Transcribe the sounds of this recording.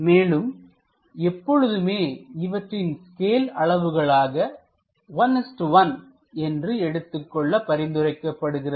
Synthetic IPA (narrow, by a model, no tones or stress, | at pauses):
meːlɯm | ɛpːɔɻɯðɯmeːɪʋɐʈrɪnskeːlɐɭɐʋɯɣɐɭaːɣɐ | ʋɐnɛsʈʋɐn | ɛndrɯɛɽɯt̪ːɯkːɔɭːɐpɐɾɪnd̪ɯrɐɪkːɐpːɐɽɯɣɪrɐ